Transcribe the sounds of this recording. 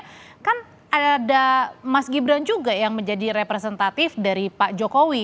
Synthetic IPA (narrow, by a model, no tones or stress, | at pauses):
kan | adamasɡibɾand͡ʒuɡajaŋməɲd͡ʒadiɾepɾes̬ɛnt̪at̪ɪfdaɾipaʔd͡ʒokowi